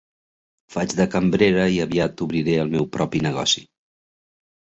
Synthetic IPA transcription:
fad͡ʒðəkəmbɾeɾəiəβiat̪uβɾiɾeəlˠmɛwpɾɔpinəɣ̞ɔ̰si̥

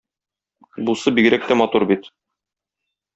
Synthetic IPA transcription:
busɤbiɡɘ̆ɾæk̚t̪æmɒt̪uɾbit̪

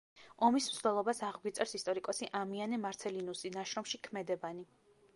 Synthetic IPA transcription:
ɔmismszd̪ɛlˠɔbasaʁɡwit̪sʼɛɾsist̪ʼɔɾikʼɔsiʔamianɛmaɾt̪sʰɛlinusinaʃɾɔmʃikʰmɛd̪ɛbani

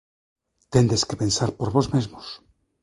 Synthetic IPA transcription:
t̪end̪eskepe̞nsaɾpoɾβo̞zmezmos

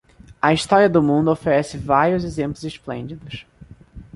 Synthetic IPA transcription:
ɐist̪ɔɾiɐd̪ʊmũnd̪ʊofeɾɛsɪvaɾjʊzezẽmplʊzesplḛ̃nd͡ʒid̪ʊs

